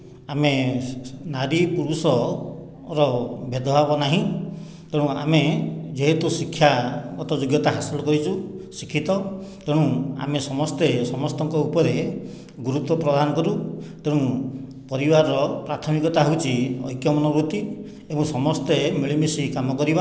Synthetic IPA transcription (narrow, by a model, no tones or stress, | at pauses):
ame | naɾipuɾusɔ | ɾɔbed̪ɔbʱabɔnaɦĩ | t̪eɽ̃ũa̰med͡ʒeɦet̪usikʰːjaɡɔt̪ɔd͡ʒoɡjɔt̪aɦasɔlɔkɔɾit͡ʃʰusikʰːit̪ɔt̪eɽ̃ũa̰mesɔmɔst̪esɔmɔst̪ɔŋkɔupɔɾe | ɡuɾut̪wɔpɾɔd̪ʱanɔkɔɾut̪eɽ̃ũ | pɔɾibaɾɔpɾat̪ʰɔmikɔt̪aɦowt͡ʃʰiɔ̰jkjɔmɔnɔbɾut̪i | emũsɔmɔst̪emiɭimisikamɔkɔɾiba